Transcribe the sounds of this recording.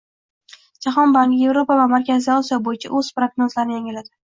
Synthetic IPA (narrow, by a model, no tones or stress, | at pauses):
d͡ʒaχɒnbaŋkʲje̞vɾo̞pavamaɾkʲʰazɪɒsijɒbojɪt͡ʃʰa̰ʔɵz̥pɾoɡnozlaɾnɪjaŋʲɪlad̪ɪ